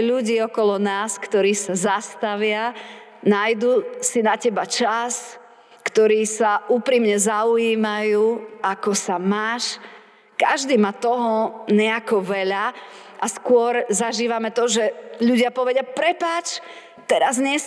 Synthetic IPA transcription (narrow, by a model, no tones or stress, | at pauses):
ʎuɟiːɔkɔlɔnaːskt̪ɔɾiːsazast̪aʋɪa | najd̪usinacɛbat͡ʃas | kt̪ɔɾiːsaʔuːpɾimɲɛzauiːmajuːakɔsamaːʃ | ka̰ʒd̪iːmaːt̪ɔɦɔɲɛakɔʋɛʎa | ʔaskʊɔɾzaʒiːʋamɛt̪ɔʒɛʎuɟɪapɔʋɛɟɪapɾɛpaːt͡ʃ | t̪ɛɾazɲɪɛs